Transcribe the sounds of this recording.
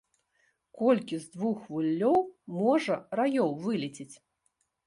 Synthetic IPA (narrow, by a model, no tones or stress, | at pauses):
kɔlʲkʲizd̪vuxvulʲːɔwmɔʐɐɾajɔwvɨlʲit͡sʲit͡sʲ